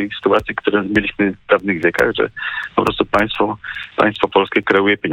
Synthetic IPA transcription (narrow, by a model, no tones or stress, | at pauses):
ɛjsɘ̥t̪uat̪sʲjikt̪uɾɛmʲjelʲiɕmɘvd̪avnɘɣvʲjɛka̰ɣʐɛ̰pɔpɾɔst̪upaj̃st̪fɔpa̰j̃st̪fɔpɔlskʲɛkɾɛujɛpʲjeɲ